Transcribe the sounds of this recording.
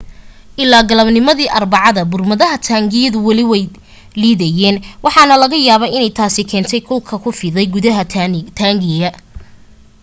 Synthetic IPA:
ʔɪlːaːɡɐlɐbnɪmɐðiːʔɐrbɑʕɑðɐbʊrmɐðɐɦɐt̪ʰaːŋɡɪjɐðʊwɐlɪwɛj | liːðɛjɛːnwɑħɑnɐlɐɣɐjaːβɐʔɪnɛjt̪ʰaːsɪkʰɛːnt̪ʰɛjkʰʊlkʰɐkʰʊfɪːðɛjɡʊðɐɦɐt̪ʰaːŋɡɪjɐ

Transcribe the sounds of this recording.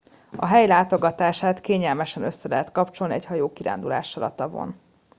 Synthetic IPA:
ɒɦɛjlaːt̪o̞ɡɒt̪aːʃaːt̪keːɲɛlmɛʃɛnø̞sːɛlɛɦɛt̪kɒpt͡ʃo̞lniɛchɒjoːkiɾa̰ːnd̪ula̰ːʃɒlɒ̰t̪ɒvo̰n

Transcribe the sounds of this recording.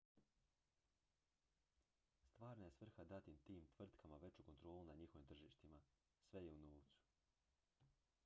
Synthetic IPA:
st̪ʋaːɾnajesʋr̩xad̪at̪imt̪iːmt̪ʋr̩t̪kʰamaʋe̞t͡ɕuko̞nt̪ɾo̞ːlunaɲixo̞ʋimt̪r̩ʒiːʃt̪ima | sʋe̞jeunoːʋt̪su̥

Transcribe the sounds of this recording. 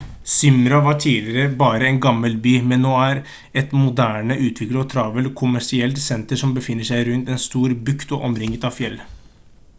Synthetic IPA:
sʏmɾɑʋɑʈʰiːlɪəɾəbɑːɾəɛnɡɑmːəlbyːmɛnːoːæɾ | ɛt̪mʊd̪æːɳəʔʉːt̪ʰʋɪkləɔːt̪ʰɾɑʋəlkʰʊmæʂɪɛlt̪sɛnt̪əʂɔmbəfɪnːəʂæɪɾʉnt̪ɛnst̪uːɾbʉkt̪oʔɔmɾɪŋːət̪ɑʋfjɛlː

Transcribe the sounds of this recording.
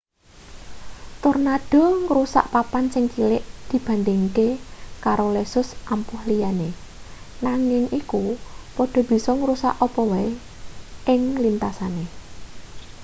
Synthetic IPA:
t̪ʊrnaɖ̥ɔ̤ŋɾusa̰ʔpapansɪŋkilɪʔd̪̥i̤b̥ä̤nd̪ɪŋkekaɾolesʊsʔampʊhlijane | naŋɪŋikupɔɖ̥ɔ̤b̥i̤sɔŋəɾusa̰ʔɔpɔwɛ | ʔɪŋlint̪asane

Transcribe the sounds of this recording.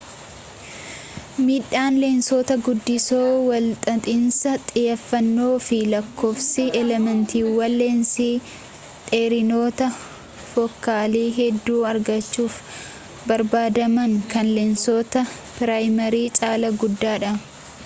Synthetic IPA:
miːᶑːaːnlensot̪ɐɡʊd̪ːɪsoːwɐlt̪ʼɐt̪ʼɪnsɐt̪ʼɪjɐfːɐnːo̞ːfɪlɐkːo̞ːfsɪɛlɛmɐnt̪iːwɐlːeːnsiː | t̪ʼeːɾɪnoːt̪ɐ | fɔkːaːliːɦɛd̪ːuːɐɾɡɐt͡ʃːuːf | bɐɾbaːd̪ɐmɐŋkɐnlensoːt̪ɐ | pɪɾaːjmɐɾiːt͡ʃʼaːlɐɡʊd̪ːaːᶑɐ

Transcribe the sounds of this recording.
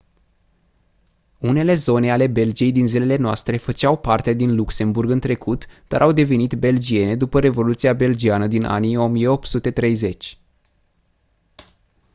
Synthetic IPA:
une̞le̞zo̞ne̞ale̞be̞ld͡ʒije̞jd̪inzile̞le̞noa̰st̪ɾe̞fət͡ʃawpart̪ead̪inlukse̞mburɡɨnt̪ɾe̞kut̪d̪a̰ɾʔawd̪e̞venit̪be̞ld͡ʒie̞ne̞d̪upəɾe̞vo̞lut̪siabe̞ld͡ʒianəd̪inʔa̰nijo̞mijeo̞p̪̚sut̪e̞t̪ɾe̞jze̞t͡ʃʲ

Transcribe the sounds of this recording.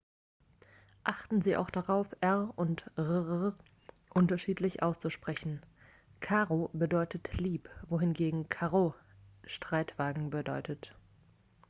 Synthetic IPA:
ʔaχtn̩ziːʔa̰ʊxd̥aʁaʊfʔɛʁʊntʁʁ | ʔʊntɐʃiːtlɪçʔa̰ʊst͡suʃpʁ̥ɛçn̩ | kʰaːʁobədɔʏtətʰliːpvoːhɪnɡeːɡŋ̩kʰaːʁo | ʃtʁ̥aɪtv̥aːɡŋ̩bədɔʏtʰət

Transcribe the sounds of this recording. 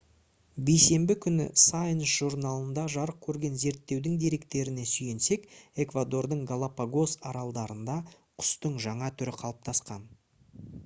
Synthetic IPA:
bejse̞mbɪkʲʰʏnɪ̰sajnsʒuɾnalˠənd̪ɑʒɑɾəq̚kʲʰːɵɾɡʲe̞nze̞ɾt̪ːe̞wd̪ɪŋd̪iɾe̞k̚t̪e̞ɾɪne̞sʏje̞nse̞ke̞kvad̪o̞rd̪əɴɡalˠapaɡo̞sɑɾɑlˠd̪ɑɾənd̪ɑ | qʰʊ̥st̪əɴʒɑɴɑt̪ʰʏɾɪqʰɑlˠəp̚t̪ʰɑsqɑn

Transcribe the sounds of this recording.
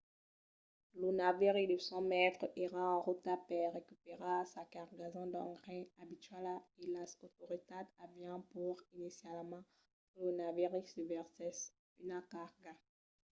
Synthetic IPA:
lunaviʁid̪əsɔ̃mɛt̪χəʔeʁãɑ̃ʁut̪apɛʁekypeʁasakaʁɡazɔ̃d̪ɑ̃ɡʁɛ̃abit̪ɥalaelasot̪oʁit̪ad̪avjɛ̃puʁinisjalmɑ̃ | lonaviʁisəvɛʁsɛs | ynakaʁɡa

